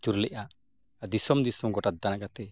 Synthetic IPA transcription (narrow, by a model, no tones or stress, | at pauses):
t͡ʃuɾlɛʔaʔ | ad̪isɔmd̪isɔmɡɔʈad̪anakat̪ɛ